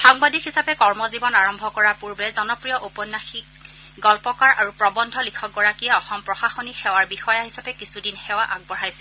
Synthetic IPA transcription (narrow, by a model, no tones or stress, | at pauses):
xaŋbadikɦisapɛkɔɹmɔzibɔnaɹɔmbʱɔkɔɹaɹpuɹbɛzɔnɔpɹijɔʔopɔnːaxik | ɡɔlpɔkaɹʔaɹupɹɔbɔndʱɔlikʰɔk̚ɡɔɹakijɛɔxɔmpɹɔxaxonixɛwaɹbixɔjaɦisapɛkisudinxɛwaʔaɡ̚bɔɹajsɛ